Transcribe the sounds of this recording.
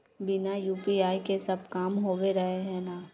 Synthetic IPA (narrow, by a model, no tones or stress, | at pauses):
bɪnajuːpiaːikesɐb̚kaːmɦoːweɾɐɦeɦɛ̃naː